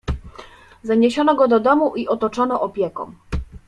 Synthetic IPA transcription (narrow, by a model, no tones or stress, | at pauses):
zaɲeɕɔnɔɡɔd̪ɔd̪ɔmuʔiʔɔt̪ɔt͡ʂɔnɔʔɔpʲjɛkɔ̰̃m